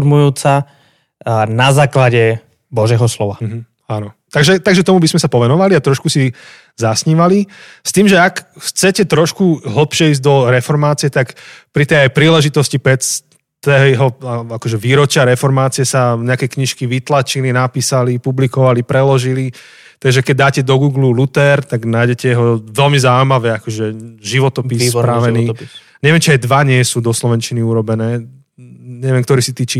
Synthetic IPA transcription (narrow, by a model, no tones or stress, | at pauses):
ɾmujuːt͡sa | nazaːklaɟɛ | bɔʒɛɦɔslɔʋaɦ̩ | aːnɔt̪aɡʒɛt̪aɡʒɛt̪ɔmubizmɛsapɔʋɛnɔʋaliat̪ɾɔʃkusi | zasɲiːʋali | st̪iːmʒɛakxt͡sɛcɛt̪ɾɔʃkuɦl̩pʃɪɛiːzɟd̪ɔɾɛfɔɾmaːt͡sijɛt̪akpɾit̪ɛjajpɾiːlɛʒit̪ɔscipɛt͡s | t̪ɛɦɔaakɔʒɛʋiːɾɔt͡ʃɪaɾɛfɔɾmaːt͡siɪɛsaɲɛakɛjkɲiʃkiʋit̪lat͡ʃilinapiːsalipublikɔʋalipɾɛlɔʒili | t̪aɡʒɛkɛɟ̚d̪aːcɛd̪ɔɡuːɡlulut̪ɛɾt̪aɡnaːjɟɛcɛjɛɦɔʋɛlmizauimaʋɛːakɔʒɛʒiʋɔt̪ɔpispɾaʋɛniː | ɲɛʋɪɛmt͡ʃiajd̪ʋaɲɪɛsuːd̪ɔslɔʋɛnt͡ʃiniuɾɔbɛnɛː | ɲɛʋɪɛmkt̪ɔɾiːsit̪iːt͡ʃi